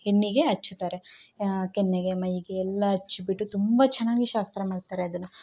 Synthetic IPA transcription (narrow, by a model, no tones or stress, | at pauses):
henːiɡe̞ɐt͡ʃːut̪aːɾe̞kenːeɡe̞mɐjiɡeːlːɐɐt͡ʃːibiʈːut̪umbɐt͡ʃɛnːaːɡiʃaːst̪ɾɐmaːɽɖt̪aːɾeɐd̪ɐnːɐ